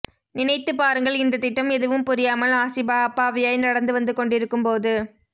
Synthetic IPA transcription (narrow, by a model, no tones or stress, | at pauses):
nɪnɐɪt̪ːɯpaːɾɯŋɡɐɭɪnd̪ɐt̪ːɪʈːɐmɛðɯʋɯmpʊɾɪjaːmɐlaːsɪbaːɐpːaːʋɪjaːjnɐɽɐnd̪ɯʋɐnd̪ɯkɔɳɖɪɾɯkːɯmpoːðɯ